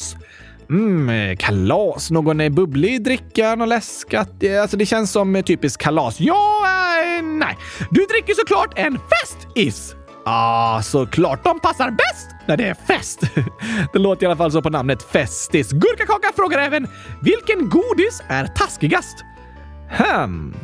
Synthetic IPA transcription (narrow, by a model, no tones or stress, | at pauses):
kʰalɑːsnoːɡɔnɛbɵblɪd̪ɾɪkːanɔlɛskat̪alsɔd̪ɛɕɛnsːɔmt̪ʰyːpɪskkʰːalɑːsjɑː | nɛ̰jd̪ɵd̪ɾɪkːəʂɔkʰlɑːʈɛnfɛst̪ɪs | ʔasɔkʰlɑːʈ̚d̪ɔmpʰasːaɾbɛst̪næɖɛæɾfɛst̪d̪̥ɛloːt̪əɾɪalafalːs̬ɔpɔnamnət̪fɛst̪ɪsɡɵɾkakɑːkafɾoːɡaɾɛːvən | vɪlkənɡuːd̪ɪsæɾt̪ʰaskɪɡast̪ | ham